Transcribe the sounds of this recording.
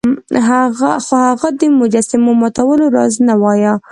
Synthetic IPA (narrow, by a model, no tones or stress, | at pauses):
ɦaɣaxohaɣad̪əmʊd͡ʒasɪmomɑt̪awəloɾɑ̰znawɑja